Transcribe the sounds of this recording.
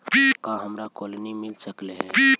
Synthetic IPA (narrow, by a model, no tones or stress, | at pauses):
bikãɦəmɾakolnimilsəkleɦɛbi